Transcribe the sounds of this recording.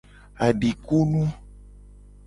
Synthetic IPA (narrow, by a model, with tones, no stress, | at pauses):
a˨ɖi˨ku˦nũ˦